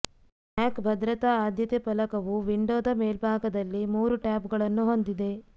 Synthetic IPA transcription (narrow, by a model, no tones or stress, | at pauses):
maːkbʱɐd̪ɾɐt̪aaːd̪ʱjɐt̪epɐlɐkɐʋuʋiɳɖoːd̪ɐmeːlbʱaːɡɐd̪ɐlːimuːɾuʈaːpɡɐɭɐnːuɦond̪id̪e̞